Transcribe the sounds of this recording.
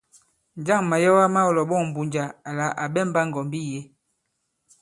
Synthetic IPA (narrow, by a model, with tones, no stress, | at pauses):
n˨d͡ʒa˦˨ŋma˨jɔ˦wa˦ma˦ɔ˨lɔ˨ɓɔ˦˨m̩˨bu˨ɲd͡ʒa˨a˨la˨˦ʔa˨ɓɛ˦˨mba˦ŋ˨ɡɔ˨mbi˦je˦